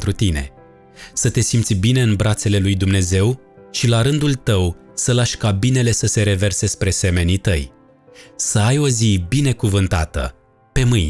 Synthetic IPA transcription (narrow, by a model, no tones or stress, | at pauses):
t̪ɾut̪ine̞̰ | sət̪e̞simt̪sʲbine̞ɨnbɾat̪se̞le̞lujd̪umne̞ze̞w | ʃilaɾɨnd̪ult̪əw | səlaʃʲkabine̞le̞səse̞ɾe̞ve̞rse̞spɾe̞se̞me̞nit̪əj | səajo̞zibine̞kuvɨnt̪at̪ə̰ | pe̞mɨj